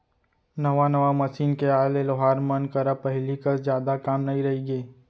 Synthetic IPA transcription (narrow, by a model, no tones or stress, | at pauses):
nɐʋanɐʋamɐʃiːnkeaːleloɦaːɾmɐnkɐɾapɐɦlikɐsd͡ʒjaːd̪akaːmnɐɦĩɾɐɦiɡeː